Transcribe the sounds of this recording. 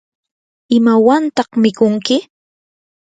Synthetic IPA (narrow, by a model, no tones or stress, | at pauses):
ɪmawant̪ɑχmɪkʊŋkɪ